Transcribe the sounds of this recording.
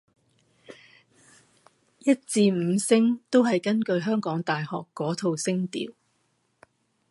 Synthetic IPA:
jɐ˥t̚t͡siː˧m̩ː˨˧sɪ˥ŋt̪o˥wɦɐ˨jkɐ˥nkɵ˧ɥɦœː˥ŋkɔː˨˥ŋt̪aː˨jhɔ̰ː˨kːɔː˨˥t̪ʰo˨wsɪ˥ŋt̪ḭː˨˩w

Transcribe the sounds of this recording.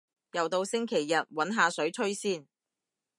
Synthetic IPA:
jɐ˨˩wt̪o˧wsɪ˥ŋkʰe˨˩jːɐ˨t̚wɐ˨˥nɦaː˧sɵ˨˥ɥt͡ʃʰɵ˥ɥsiː˥n

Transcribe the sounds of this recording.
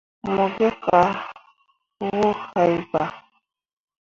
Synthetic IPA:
mo˨ɡe˦ka˨ | ɣo˦ha˨jba˨

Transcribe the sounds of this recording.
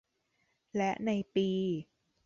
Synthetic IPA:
lɛ˦˥ʔna˧jpiː˧

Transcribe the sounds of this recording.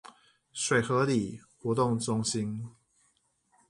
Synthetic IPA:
ʂwe˨˩ɪxɤ˨˦li˨˩˦ | xwɔ˧˦t̪ʊ˥˨ŋʈ͡ʂʊ˥ŋɕi˦n

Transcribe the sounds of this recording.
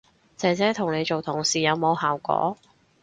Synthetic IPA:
t͡sɛː˨˥t͡sɛː˨˥t̪ʰʊ˨˩ŋne˨˧jt͡so˨wt̪ʰʊ˨˩ŋsiː˨˩jɐ˨˧wmo˨˧whaː˨˩wkʷɔ̰ː˨˥

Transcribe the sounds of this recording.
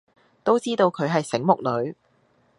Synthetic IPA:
t̪o˥wt͡siː˥t̪o˧wkʰɵ˨˧ɥɦɐ˨jsɪ˨˥ŋmʊ˨k̚lɵ˨˧ɥ

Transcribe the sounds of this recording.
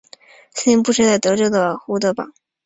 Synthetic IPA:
sə˥˩i˥ŋp̬u˥˧ʂʰɻ̩ɤ˥t͡sa˥˩ɪt̪ɤ˧˥ʈ͡ʂɤ˥˩ɡə˩xu˧˥t̪ɤ˧˥pɑ̰˨˩˦ŋ

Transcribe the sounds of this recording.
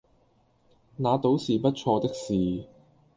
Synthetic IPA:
naː˨˧t̪o˨˥wsiː˨˩pɐ˥t̚t͡ʃʰɔː˧t̪ɪ˥k̚siː˨˩

